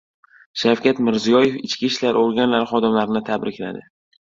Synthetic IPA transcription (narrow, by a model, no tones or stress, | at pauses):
ʃawkʲat̪mɪɾzijɒje̞fɪt͡ʃkʲiʃlaɾoɾɡʲanlaɾχɒd̪ɪmlaɾɪnɪt̪ʰabɾɪkʲla̰d̪ɪ